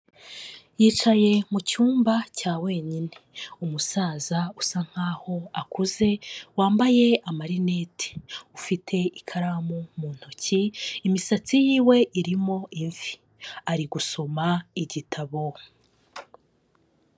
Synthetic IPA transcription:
jiːt͡ʃaje̞mucuːmbacaːwe̞ːɲineumusaːzausaŋ̥haːho̞akuze̞waːmbaje̞amaɾine̞ːtʰi̥ufitʰe̞ikʰaɾamomuːn̥huciːmisat͡sijiːwe̞ʔiɾimo̞ʔiɱvi̥ | aɾiɡuso̞maiɟitʰaβo

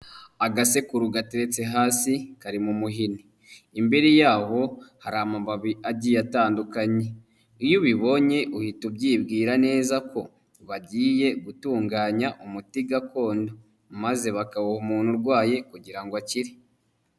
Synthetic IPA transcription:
aɡase̞kuɾuɡateɾe̞t͡se̞ɦaːsikaɾimumuɦiniː | mbeɾijaːho̞haɾaːmabaβiaɟijataːndukaɲe̞ | ijuβiβo̞ɲe̞ʔuhitubɟiːbɡiːɾane̞ːzakʰo̞ | βaɟiːje̞ɡutuːŋɡaːɲaʔumutiɡako̞ːndo̞ | maze̞βakaβuhumuːnhuɾɡwaːje̞kuɟiɾaŋɡwaciɾi

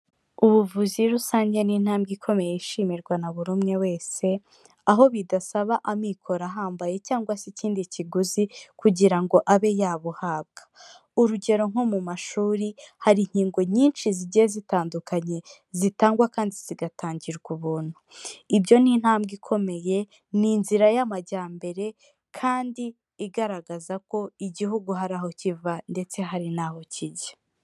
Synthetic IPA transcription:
uβuvuziɾusaːɲɟe̞niːn̥haːmbɡikʰo̞me̞jeiʃiːmiɾɡwanaβuɾumŋe̞we̞ːse̞ | aɦo̞βidasaβaʔamikʰo̞ɾaɦaːmbaje̞caːŋɡwasiciːndiciɡuzikuɟiɾaŋɡo̞ʔaβe̞jaːβuhaːb̚ɡ̥ḁ | uɾuɟe̞ɾo̞ŋomumaʃuːɾihaɾiɲ̥hiːŋɡo̞ɲiːnʃiziɟiezitaːndukaɲe̞ | zitaːŋɡwakaːndiz̥iɡataːɲɟiɾɡuβuːn̥huibjo̞nin̥haːmbɡikʰo̞me̞je̞ | ninziɾajamaɟaːmbe̞ɾe̞ | kʰaːndiː | ɡaɾaɡazako̞iɟiɦuɡuɦaɾaːho̞civande̞t͡se̞ɦaɾinaːho̞ciɟḁ

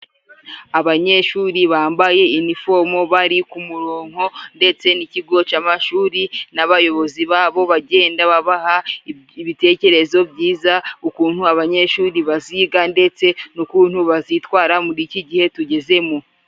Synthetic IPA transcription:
aβaɲe̞ʃuːɾiβaːmbaje̞inifo̞mo̞βaɾikumuɾoːŋ̥ho̞nde̞t͡se̞niciɡo̞t͡ʃaːmaʃuːɾinaβajo̞βo̞ziβaβo̞βaɟe̞ːndaβaβaha | iβite̞ce̞ɾe̞zo̞bɟiːzaukuːn̥huaβaɲe̞ʃuːɾiβaziɡande̞t͡se̞nukuːnhuβazitwaːɾamuɾiciɟihe̞tuɟe̞ze̞mu

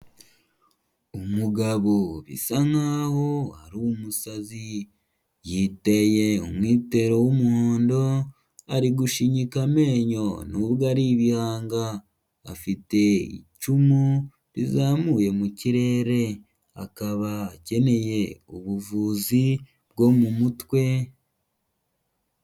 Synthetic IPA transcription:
umuɡaβoβḭsaŋaho̞haɾuumusazi | jite̞je̞ṵmwiːte̞ɾo̞wumuːndo | aɾiɡuʃiɲikame̞ːɲo̞nuβɡaɾiβihaːŋɡa̰ː | fite̞ḭcumu | ɾizaːmuːje̞muciɾe̞ɾe̞ | a̰kaβaːce̞ne̞je̞uβuvuzi | b̚ɡo̞mumutwe̞

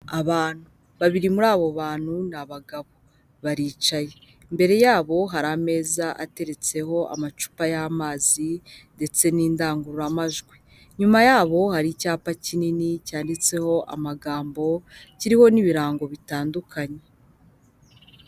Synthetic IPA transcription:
aβaːn̥u | βaβiɾimuɾaːβo̞βaːn̥hunaβaɡaβo̞ | βaɾiːt͡ʃaje | mbe̞ɾe̞jaːβo̞ɦaɾame̞ːzaʔa̰te̞ɾe̞t͡se̞ho̞ʔa̰mat͡ʃu̥pajaːmaːzinde̞t͡se̞niːndaːŋɡuɾuɾamaʒɡwi | ɲumajaːβo̞haɾicaːpacininicaːndit͡se̞ho̞ʔa̰maɡaːmbo̞ciɾiho̞niβiɾaːŋɡo̞βitaːndukʰaɲe

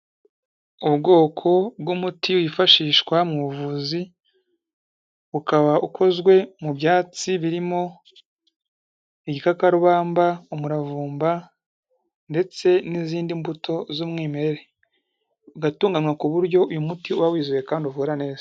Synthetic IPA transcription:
uβɡo̞ːkʰo̞bɡumutiwifaʃiːʃkwamuuvuzi | βukaβaʔukʰo̞zɡwe̞mubjaːt͡siβiɾimo̞ | iɟikakaɾuβaːmbaumuɾavuːmba | nde̞t͡se̞niziːndimbutʰo̞zumŋiːmeɾeɾe̞ | uɡatuːŋɡamŋakuβuɾɟo̞ʔujumutiuβawiːzuje̞kaːndiuvuɾane̞ːz̥ḁ

